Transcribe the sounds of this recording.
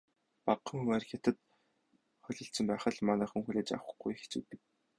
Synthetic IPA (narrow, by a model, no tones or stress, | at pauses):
paqːə̆ŋuŋarxʲat̪ə̆t̪ | χɔɮʲɞ̆ɬt͡sɘ̆mpæːχə̆ɮmanæːχŭŋxuɮeːt͡ɕa̰wə̆χɡujxe̥t͡sṵːt̪ɘ̆k̚